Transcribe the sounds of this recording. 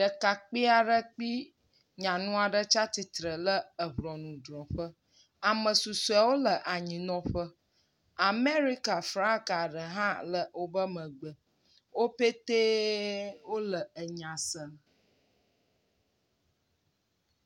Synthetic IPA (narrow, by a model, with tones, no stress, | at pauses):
ɖə˨ka˨k͡pi˦a˨ɖə˦k͡pi˦ | ɲã˨nũ˦a˨ɖə˦t͡ʃa˦t̪i˨t̪ɾə˨lə˦ə˨ɦɾɔ˨nũ˨d̪ɾɔ̃˨ɸə˦ | a˨mə̃˨su˨sɛ˨wo˦lə˨ʔa˨ɲĩ˨nɔ̃˨ɸə˦ | a˨me˦ɾi˦ka˨fɾã˦ka˨ɖə˨ɦã˦lə˦wo˦bə˦mə̃˨ɡ͡bə˨ | wo˦pe˦t̪e˦ | wo˦lə˨ə˨ɲã˨sə˨